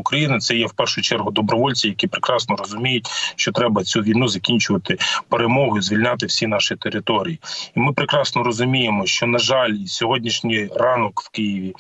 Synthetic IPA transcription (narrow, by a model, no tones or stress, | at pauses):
ʊkɾɐjinɪt̪sɛjɛwpɛrʃʊjt͡ʃɛrɦʊd̪ɔbɾɔʋɔlʲt͡sʲijɐkʲipɾɪkɾɑsnɔrɔzʊmʲijʊt̚ʲʃt͡ʃɔt̪ɾɛbɐt͡sʲuʋʲijnuzɐkʲinʲt͡ʃʊʋɐt̪ɪpeɾemɔɦʊizʋʲilʲnʲɑt̪̬ɪwsʲin̪ɑʃɪt̪eɾɪt̪ɔɾʲijiimɪpɾɪkɾɑsnɔɾɔzʊmʲijemɔʃt͡ʃɔnɐʒɑlʲsʲɔɦɔdʲnʲiʃnʲɪjrɑnɔkw̥kɪjiʋʲi